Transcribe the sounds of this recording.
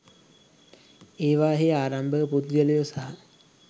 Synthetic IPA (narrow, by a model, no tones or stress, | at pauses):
eːʋaːɦeaːɾambəpud̪ɡələjosaɦa